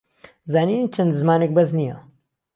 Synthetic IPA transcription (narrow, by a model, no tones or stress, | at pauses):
zaːniːnit͡ʃʰɐnd̪zmaːnek̚bɐznija̰